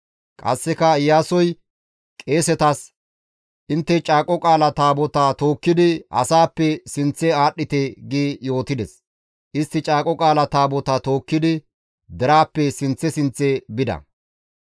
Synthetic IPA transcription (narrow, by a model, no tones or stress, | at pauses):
kʼɐ̰sːɛkɐɪjːaːsɔj | kʼe̞ːsɛt̪ɐs | ʔɪnt̪ːɛt͡ʃʼaːkʼɔkʼaːlɐt̪aːbɔt̪aːt̪o̞ːkːɪd̪ɪɐ̰saːpːɛsɪnt͡sːɛaːɗːɪt̪ɛɡiːjo̞ːt̪ɪd̪ɛs | ʔɪst̪ːɪt͡ʃʼaːkʼɔkʼaːlɐt̪aːbɔt̪aːt̪o̞ːkːɪd̪ɪ | d̪ɛɾaːpːɛsɪnt͡sːɛsɪnt͡sːɛbɪd̪ɐ̰